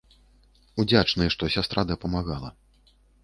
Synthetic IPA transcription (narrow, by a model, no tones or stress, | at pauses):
ud͡zʲat͡ʂnɨjɛʂt̪ɔsʲast̪ɾad̪ɐpɐmaɣalˠɐ